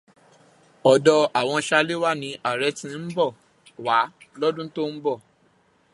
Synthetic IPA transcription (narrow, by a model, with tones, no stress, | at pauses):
ɔ˨dɔ˧a˨w̃ɔ̃˧ʃa˧le˦wa˦nĩ˧ʔa˨ɾɛ˨˦tĩ˧˦n̩˦bɔ˦˨ | wa˨˦lɔ˦dũ˦to˦n̩˦bɔ˦˨